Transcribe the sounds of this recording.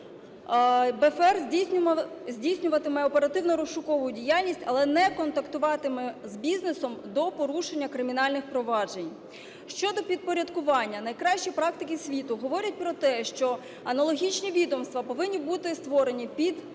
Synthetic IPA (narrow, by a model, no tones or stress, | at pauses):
bɛfɛrʲ | zʲdʲijsʲnʲʊʋɐt̪ɪmɛɔpeɾɐt̪ɪwnɔɾɔʃʊkɔʋʊjʊdʲijalʲnʲisʲtʲɐlˠɛnɛkɔnt̪ɐkt̪ʊʋɑt̪ɪmɛzbʲiznesɔmd̪ɔpɔɾuʃenʲːɐkɾɪmʲinɑlʲnɪxpɾɔʋɑʒenʲ | ʃt͡ʃɔd̪ɔpʲid̪̚pɔɾʲɐd̪kʊʋɑnʲːɐnɐjkɾɑʃʲt͡ʃipɾɑk̚t̪ɪkʲɪsʲʋʲit̪ʊɦɔʋɔɾʲɐt̚ʲpɾɔt̪ɛʃt͡ʃɔ | ɐnɐlˠɔɦʲit͡ʃnʲiʋʲid̪ɔmst̪ʋɐpɔʋɪnʲːibut̪ɪst̪ʋɔɾe̞nʲipʲid̪